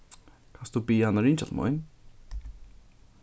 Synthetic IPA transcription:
kʰast̪upijanaɾiːnt͡ɕaɮmo̰nʲ

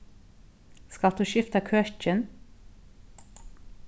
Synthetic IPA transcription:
skɑld̪ʉːʃɪft̪ɑkʰœc͡çən

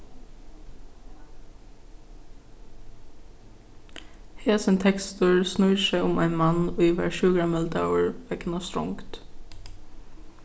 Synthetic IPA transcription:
heːsənt̪ʰɛkst̪ʊɹsnʊʏsæɪʊmæ̰ɪnmanʊʋæ̰ːɹʃʉːɡɹamɛlt̪aʊɹʋɛkənast̪ɾʊ̰ŋkt̪

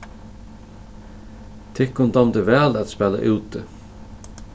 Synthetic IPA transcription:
t̪ʰɪkʊnd̪ɑmd̪əvæːlæt̪spæːla̰ʔʉːt̪ə

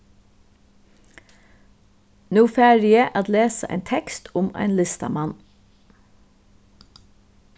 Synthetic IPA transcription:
nuːfæːɹɪəʔɑt̪leːsəʔæ̰ɪnt̪ʰɛkst̪ʰʊmæ̰ɪnlɪst̪ɑ̰mɑn

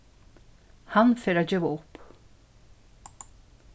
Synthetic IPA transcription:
hanfeːɾaːɟøːʋaʊp

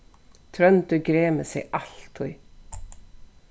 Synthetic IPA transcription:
t̪ʰɾœnt̪ʉɡɾeːməsɛ̰ʔɑlt̪ʰʊʏ

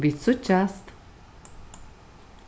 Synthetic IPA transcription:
bit͡sut͡ʃast̪

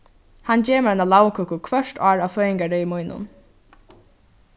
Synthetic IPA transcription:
hant͡ɕeːməanalaːwkʰɔkʊkʰvœʂt̪ɑːɹaːʋfœːjɪŋkaɹɛmujnʊ̰n

